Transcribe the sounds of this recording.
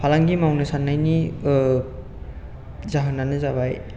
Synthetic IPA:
pʰalaŋɡimawnɯsanːajni | zaɦɯnanɯzaβaj

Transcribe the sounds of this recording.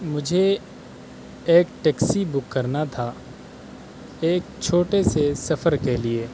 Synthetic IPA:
mʊd͡ʒʱe | eːkʈɛksibʊkːɐɾnat̪ʰa | eːk̚t͡ʃʰoːʈesesɐfəɾkelieː

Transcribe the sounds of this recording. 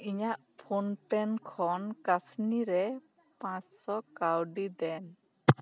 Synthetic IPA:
iɲaʔ | pʰunpɛnkʰɔnkasniɾɛ | pãssɔkawɖid̪ɛn

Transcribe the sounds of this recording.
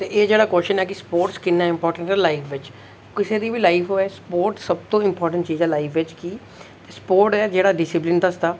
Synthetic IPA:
t̪eːʔeːd͡ʒeːɽaːkoːʃənɛːkɪspoːɾʈskɪnːaːɪ̃mpɔːɾʈə̃ɳʈɛːlaifʰʋɪt͡ʃ | kɪseːd̪iːʋiːlaːifʰoːɛːspoːɾʈsəb̚t̪õːɪ̃mpɔːɾʈə̃ɳʈt͡ʃiːzɛːlaːifʰʋɪt͡ʃkiː | t̪eːspoːɾʈɛːd͡ʒeːɽaːɖɪsɪp̬lɪnd̪əsd̪aː

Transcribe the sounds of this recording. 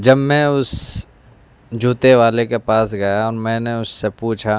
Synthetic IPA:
d͡ʒɐbmɛ̃ːʊs | d͡ʒʱuːt̪eʋaːlekepaːsɡɐjaɔːɾmɛ̃ːneʊsːepuːt͡ʃʰa

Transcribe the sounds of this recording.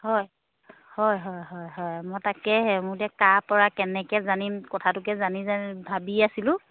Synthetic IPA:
hɔj | hɔjɦɔjɦɔjɦɔjamɔtakɛɦɛmʊdɛkapɔɹakɛnɛkɛzanimkɔtʰatʊkɛzanizabʱabiasilʊ̃

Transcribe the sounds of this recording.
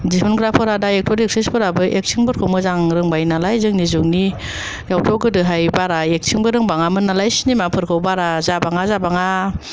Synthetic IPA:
disʰɔnɡɾapʰɯɾadaek̚tʰɔɾek̚sisbɯɾabɯʔek̚sʰiŋbɯɾkʰɯwmɯzaŋɾɯŋbajnalajzɯŋnizuŋni | jawtʰɔɡɯdɯɦajbaɾaek̚sʰiŋbɯɾɯŋbaŋamɯnːalajsinimapʰɯɾkʰɯwbaɾazabaŋazabaŋa

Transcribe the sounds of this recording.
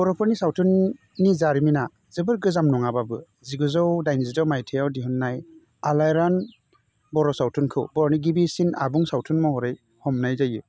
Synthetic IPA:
bɔɾɔpʰɯɾnisawtʰɯnː | izaɾimina | zɯbɯɾɡɯzamnɔŋababɯ | ziɡuzawdajnzidawmajtʰejawdiɦunːaj | alajɾan | bɔɾɔsawtʰunkʰɯwbɔɾɔniɡibisina̰buŋsawtʰunmɔhɔɾɯj | hɔmnajzajɯ

